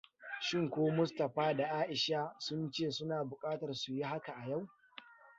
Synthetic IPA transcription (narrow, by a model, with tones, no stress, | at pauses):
ʃɪ˦˨ŋkʷoː˦mʊ˦stɐ˨ɸaː˦da˨ʔaː˦ʔɪ˨ʃa˦sʊ˦nt͡ʃeː˦˨sʊ˦naː˨bʊ˨kʼaː˦tɐ˨rsu˨ji˦ɦa˦ka˨ʔa˨ja˦˨w